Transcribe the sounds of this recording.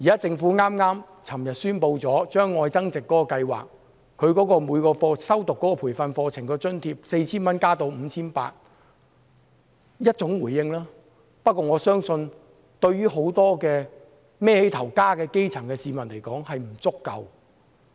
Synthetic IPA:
jiː˨kaː˨˥t͡sɪ˧ŋfuː˨˥ŋaː˥mŋaː˥m | t͡sʰɐ˨˩mjɐ˨t̚syː˥npo˧wt͡sɔː˨˥t͡ʃœː˥ŋːɔː˧jt͡sɐ˥ŋt͡sɪ˨kːɔː˨˥kɔː˧kɐ˧jwa̰ː˨˩k̚ | kʰːɵ˨˧ɥkɔː˨˥kɔː˧muː˨˧jkɔː˧fɔː˧sɐ˥wt̪ʊ˨kːɔː˨˥kɔː˧pʰuː˨˩jfɐ˧nfɔː˧t͡sʰɪ˨˩ŋkɛː˧t͡ʃɵ˥nt̪ʰiː˧p̚se˧jt͡sʰiː˥nmɐ˥nkaː˥t̪o˧wm̩ː˨˧t͡sʰiː˥npa̰ː˧t̚ | jɐ˥t̚t͡sʊ˨˥ŋwuː˨˩jːɪ˧ŋlaː˥ | pɐ˥t̚kɔː˧ŋɔː˨˧sœː˥ŋsɵ˧n | t̪ɵ˧ɥɥyː˥ɦo˨˥wt̪ɔː˥kɛː˧ | mɛː˥he˨˥jt̪ʰɐ˨˩wkaː˥kɛː˧ke˥jt͡sʰɐ˨˩ŋkɛː˧siː˨˧mɐ˨˩nle˨˩jkɔː˨˥ŋhɐ˨jm̩˨˩t͡sʊ˥kːɐ̰˨˧w

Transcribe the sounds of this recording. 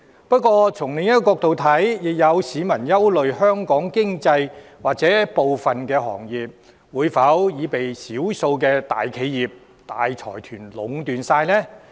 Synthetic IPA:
pɐ˥t̚kʷɔː˧t͡sʰʊ˨˩ŋlɪ˨ŋjɐ˥kkɔː˧k̚t̪o˨wt̪ʰɐ˨˥jjɪ˨k̚jɐ˨˧wsiː˨˥mɐ˨˩njɐ˥wlɵ˨ɥɦœː˥ŋkɔː˨˥ŋkɪ˥ŋt͡sɐ˧j | waː˨˩k̚t͡sɛː˨˥po˨wfɐ˨˩nkɛː˧ɦɔ̰ː˨˩ŋjiː˨p̚ | wuː˨˧jfɐ˨˥wjiː˨˧pe˨jsiː˨˥wso˧wkɛː˧t̪a̰ː˨jkʰe˨˧jːiː˨˩p̚ | t̪a̰ː˨jt͡ʃʰɔ̰ː˨˩jt̪ʰyː˨˩nlʊ˨˧ŋt̪yː˨nsaː˧jnɛː˥

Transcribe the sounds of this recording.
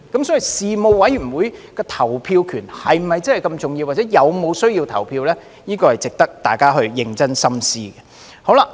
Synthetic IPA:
kɐ˨˥msɔː˨˥i˨˩siː˨mo˨˧wwɐ˨˥jy˨˩nwuː˨˧jkɔː˧t̪ʰɐ˨˩wpʰiː˧wkʰyː˨˩nhɐ˨jm̩˨˩ɐ˨jt͡sɐ˥hɐ˨˩jkɐ˧mt͡sʊ˨ŋji˧waː˨t͡sɛː˨˥jɐ˨˧wmo˨˧wsɵ˥ɥjiː˧wt̪ʰɐ˨˩wpʰiː˧wlɛː˥ | jiː˥kɔː˧hɐ˨˩jt͡sɪ˨k̚t̪ɐ˥k̚t̪aː˨˩jkaː˥ɦɵ˧ɥjɪ˧ŋt͡sɐ˥nsɐ˥msiː˥ɡɛ˨ | ho˨˥wla˧

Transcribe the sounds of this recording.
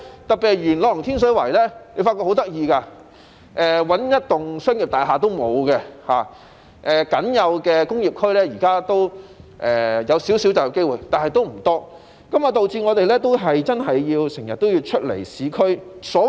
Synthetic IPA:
t̪ɐ˨k̚pːi˨hɐ˨jɥyː˨˩nlɔː˨˧ɐ˨˩ŋt̪ʰi˥ns̬ɵ˨˥wɐ˨˩jlɛː˥ne˨˧˥faː˧t̚kɔː˧ho˨˥wt̪ɐ˥k̚jiː˧kaː˧ | ʔɛː˨˧wɐ˨˥njɐ˥t̚t̪ʊ˨ŋsœː˥ŋjiː˨p̚t̪aː˨˩jɦaː˨t̪̬o˥wmo˨˧wkɛ˧ha̰ː˨ | ʔɛː˨kɐ˨˥njɐ˨˧wkɛː˧kʊ˥ŋjiː˨p̚kʰɵ˥ɥlɛː˥ji˨˩kaː˥t̪o˥wʔɛː˨jɐ˨˧wsiː˨˥wsi˨˥wt͡sɐ˨wjɐ˨˧wke˥jwuː˨˩jt̪aː˨nɦɐ˨jt̪o˥wm̩˨˩t̪ɔː˥ | kɐ˨˥ma˨˧t̪o˨wt͡siː˧ŋɔː˨˧t̪e˨jlɛː˥t̪o˥wɦɐ˨jt͡sɐ˥nɐ˨jːiː˧wsɪ˨˩ŋjɐ˨t̪̚ːo˥wjiː˧t͡ʃʰɵ˥t̚lḛ˨˩jsiː˨˥kʰɵ˥sɔː˨˥

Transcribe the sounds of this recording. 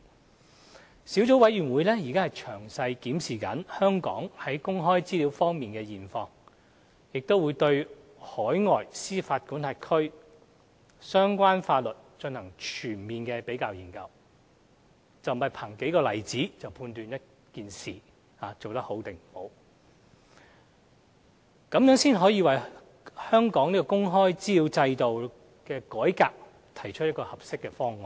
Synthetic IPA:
siː˨˥wt͡so˨˥wɐ˨˥jɥyː˨˩nwu˨˧jlɛː˥ji˨˩kaː˥hɐ˨˩jt͡ʃʰœː˨˩ŋsɐ˧jkiː˨˥msiː˨kɐ˨˥nhœː˥ŋkɔ̰ː˨˥ŋhɐ˨˥jkʊ˥ŋɦɔː˥jt͡siː˥li˨˥wfɔː˥ŋmiː˨˩nkɛː˧jiː˨˩nfɔː˧ŋ | jɪ˨k̚t̪o˥wuː˨˧jt̪ɵ˧ɥ | hɔː˨˥jŋɔː˨jsiː˥faː˧t̚kuː˨˥ntʰaː˧t̚kʰɵ˥ɥ | sœː˥ŋkʷaː˥nfaː˧t̚lɵ˨t̚t͡ʃɵ˧nhɐ˨˩ŋt͡ʃʰyː˨˩nmiː˨nkɛː˧pe˨˥jkaː˧wji˨˩ŋkɐ˧w | t͡sɐ˨wmɐ˨˩jpʰaː˨˩ŋke˨˥jkɔː˧lɐ˨˩jt͡siː˨˥t͡sɐ˨˩wpʰuː˧nt̪yː˨˧njɐ˥t̚ | kiː˨nsiː˨˩ | haː˨˧t͡so˨wt̪ɐ˥k̚ho˨˥wt̪ɪ˨ŋm̩˨˩ho˨˥w | kɐ˨˧˥mjœː˨˥ŋsiː˥nɦɔː˨˥jiː˧wɐ˨j | hœː˥ŋkɔː˨˥ŋniː˥kɔː˧kʊ˥ŋɦɔː˥jt͡siː˥ji˧wt͡sɐ˧jt̪o˨w | kɛː˧kɔː˨˥jkaː˧p̚ | t̪ʰɐ˨˩jt͡ʃʰɵ˥jɐ˥tkɔː˧hɐ˨p̚sɪ˥kːɛ˧fɔː˥ŋɔː˨˩

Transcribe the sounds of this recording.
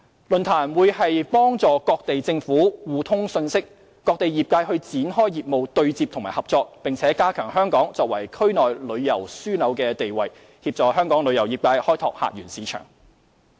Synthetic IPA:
lɵ˨˩nt̪ʰaː˨˩nwuː˨˧jhɐ˨jpɔː˥ŋt͡sɔː˨˧kɔː˧k̚t̪e˨jt͡sɪ˧ŋfuː˨˥wuː˨˧t̪ʰʊ˥ŋsɵ˧nsɪ˥k̚ː | ɔː˧k̚t̪e˨jjiː˨p̚kaː˧jhɵ˧ɥt͡siː˨˥nɦɔː˥jjiː˨p̚mo˨˧wt̪ɵ˧ɥt͡siː˧p̚t̪ʰʊ˨ŋma̰ː˨˩hɐ˨p̚t͡sɔː˧k̚pɪ˨ŋt͡sʰɛː˨˥kaː˥kʰœː˨˩ŋɦœː˥ŋkɔː˨˥ŋt͡sɔː˧k̚wɐ˨˩jkʰɵ˥ɥnɔː˨jlɵ˨˧ɥjɐ˨˩wsyː˥nɐ˨˧wkɛː˧t̪e˨jwɐ˨j | hiː˧p̚t͡sɔː˨˧hœː˥ŋkɔː˨˥ŋlɵ˨˧jɐ˨˩wjiː˨p̚kaː˧jhɔː˥jt̪ʰɔ̰ː˧k̚ha̰ː˧t̚jyː˨˩nsiː˨˥t͡ʃʰœ̰ː˨˩ŋ

